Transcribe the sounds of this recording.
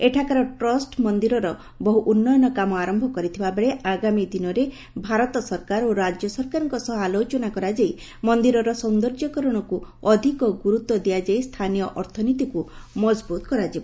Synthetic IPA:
eʈʰakaɾɔʈɾɔsʈmɔnd̪iɾɔɾɔ | bɔɦuʔunːɔjɔnɔkamɔaɾɔmbʱɔkɔɾit̪ʰibabeɭeʔaɡamid̪inɔɾe | bʱaɾɔt̪ɔsɔɾkaɾoɾad͡ʒjɔsɔɾkaɾɔŋkɔsɔɦalot͡ʃɔnakɔɾad͡ʒai | mɔnd̪iɾɔɾɔsɔnd̪ɔɾd͡ʒɔkɔɾɔɽ̃ɔkuɔd̪ʱikɔɡuɾut̪wɔd̪ijad͡ʒaist̪ʰanijɔʔɔɾt̪ʰɔnit̪ikumɔd͡ʒbut̪ɔkɔɾad͡ʒibɔ

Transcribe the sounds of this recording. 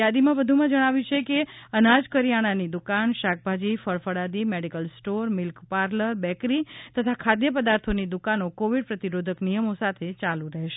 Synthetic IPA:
ad̪imãbəd̪ʱumãd͡ʒəɽ̃aʋjũt͡ʃʰekeənad͡ʒkəɾijaɽ̃anid̪ukanʃak̚ʰbʱad͡ʒifəɭfəɽad̪imeɖikəlsʈoɾmɪlkpaɾləɾbɛkɾit̪ət̪ʰakʰad̪jəpəd̪aɾt̪ʰonid̪ukanokoʋiɖpɾət̪iɾod̪ʱəknijəmosat̪ʰet͡ʃalũɾəɦeʃe

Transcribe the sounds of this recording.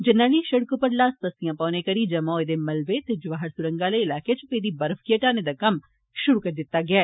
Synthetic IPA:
d͡ʒɪnːaːliːʃəɽkoːpəɾlaːsb̪əsijãːpãːneːkəɾiːd͡ʒɐmɔ̃ːed̪eːmɐlʋet̪eːd͡ʒʊʋaːɦəɾsʊɾə̃ŋɡaːləɪlaːket͡ʃʰʊpeːd̪iːbəɾfkɪjeʈaːned̪aːkəm | ʃʊɾuːkəɾd̪ɪt̪ːaːɡɪaː

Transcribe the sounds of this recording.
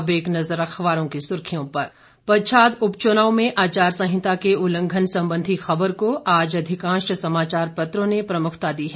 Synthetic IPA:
beːknɐzəɾɐkʰʋaːɾõkisʊɾkʰijõpɐɾ | pɐɾt͡ʃʰaːd̪ʊpt͡ʃʊnaːomẽʔaːt͡ʃaːɾsɐ̃ɦɪ̃t̪akeʊlə̃ŋɡʱənsɐ̃mbə̃nd̪ʱixɐbəɾkoʔaːd͡ʒɐd̪ʱɪkãːʃəsɐmaːt͡ʃaːɾpɐt̪ɾõnepɾɐmʊkʰt̪ad̪iːɦɛː

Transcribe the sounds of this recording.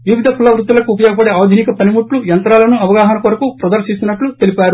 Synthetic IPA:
ʋiʋid̪ʱɐkʰulɐʋɾut̪ulɐkuːpɐjɔːɡɐpɐɽeaːd̪ʱinikɐpɐnimuʈlujɐnt̪ɾaːlɐnuɐʋɐɡaːɦɐnɐkuɾɐkupɾɐd̪ɐɾʃist̪unːɐʈlut̪e̞lipaːɾu

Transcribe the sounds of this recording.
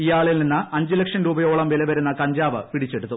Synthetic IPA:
ijaːɭilninːɨɐɲd͡ʑilekʂɐnɾuːbɐjo̞ːɭɐmʋilɐʋɐɾunːɐkɐɲd͡ʑaːʋɨ̰piɽit͡ɕːe̞ɽut̪ːu

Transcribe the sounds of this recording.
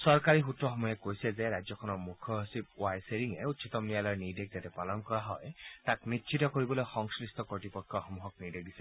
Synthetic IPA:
sɔɹkaɹixutːɹɔxɔmɔjakojsɛzɛɹajzjɔkʰɔnɔɹmukʰɔsip̚wajseɹiŋɛutsʰitɔmnijalɔjnidek̚zatɛpalɔnkɔɹaɦɔjtaknitːʃʰitɔkoɹibɔlojxɔŋsɹistɔkɔtipɔkʰːɔxɔmuɦɔk̚nideɡisɛ

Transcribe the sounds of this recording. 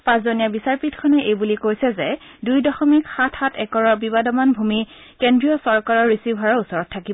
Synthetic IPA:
pãszoniabisaɹpitkʰɔnɛʔejbulikojsɛzɛ | dujdɔxɔmikxatʰxatʰɛkɔɹɔbibadɔmanbʱumi | kendɹijɔsɔɹkaɹɔɹːisibʱaɹɔɹusɔɹɔtʰːakibɔ

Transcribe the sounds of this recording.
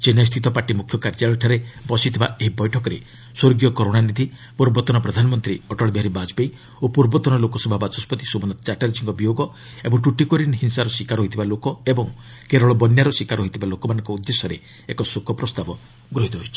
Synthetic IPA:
t͡ʃenɔs̬t̪ʰit̪ɔpaʈimukʰjɔkaɾd͡ʒaɭɔʈʰaɾebɔsit̪ʰibaeɦibɔjʈʰɔkɔɾḛ | swoɾɡijɔkɔɾoɽanid̪ʱi | puɾbɔt̪ɔnɔpɾɔd̪ʱanɔmɔnt̪ɾiɔʈɔɭɔbɦaɾibad͡ʒbej | opuɾbɔt̪ɔnɔlokɔsɔbʱabat͡ʃɔspɔt̪isobɔnɔt͡ʃaʈaɾd͡ʒʰiŋkɔbijoɡɔ | ebɔŋʈuʈikɔɾinɦinsaɾɔsikaɾɦoit̪ʰibalokɔebɔŋ | keɾɔɭɔbɔnjaɾɔsikaɾɦoit̪ʰibalokɔmanɔŋkɔud̪ːesɔɾe | ekɔsukʰɔpɾɔst̪abɔ | ɡɾɔɦit̪ɔɦojt͡ʃʰi̥

